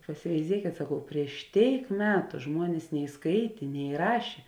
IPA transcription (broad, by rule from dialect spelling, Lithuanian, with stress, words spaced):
pɐsʲɪʋʲɛɪˈzʲiɛkʲeːt sɐˈkɐʊ pʲrʲiɛʃ ˈtʲeːɪk ˈmʲæːtʊ ˈʒmuɔnʲeːs nʲɛɪ ˈskɐɪtʲeː nʲɛ ˈrɑːʃʲeː